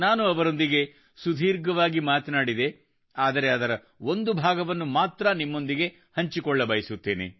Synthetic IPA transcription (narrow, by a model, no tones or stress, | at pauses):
naːnuɐʋɐɾo̞nd̪iɡe̞ | sud̪ʱiːɾɡɐʋaːɡimaːt̪ɐnaːɽid̪e̞ | aːd̪ɐɾe̞ɐd̪ɐɾɐ | o̞nd̪ubʱaːɡɐʋɐnːumaːt̪ɾɐnimːo̞nd̪iɡe̞ | hɐɲt͡ʃikɔɭːɐbɐjisut̪ːeːnḛ